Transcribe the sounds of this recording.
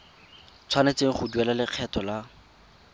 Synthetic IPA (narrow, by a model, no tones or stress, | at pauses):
t͡sʰwanet͡seŋ̩χʊduɛlalɪq͡χʰɛtʰɔla